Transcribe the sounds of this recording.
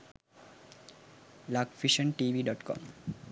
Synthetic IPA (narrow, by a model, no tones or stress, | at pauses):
lakfiʃənʈibiɖɔʈkɔ̰m